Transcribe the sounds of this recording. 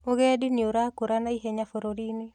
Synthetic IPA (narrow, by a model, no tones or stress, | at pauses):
oɣɛdinioɾakoɾanaiɦeɲafoɾoɾinɪ